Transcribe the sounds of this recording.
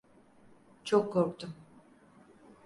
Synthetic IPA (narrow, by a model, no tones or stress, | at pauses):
t͡ʃʰokʰːoɾkt̪um